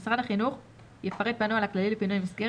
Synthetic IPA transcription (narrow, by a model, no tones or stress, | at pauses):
sʁadhaχinuχ | jefaʁet̪̚banualaklalilepinujmisɡe